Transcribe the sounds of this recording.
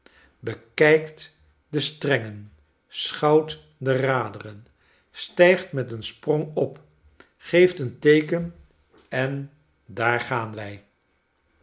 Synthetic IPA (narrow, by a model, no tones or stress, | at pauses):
bəkɛjkt | dəstrɛŋən | sχɑwt | dəraːdərən | stɛjχtmɛtənsprɔŋɔp | χejftəntejkən | ɛn | daːɹχaːnʋɛj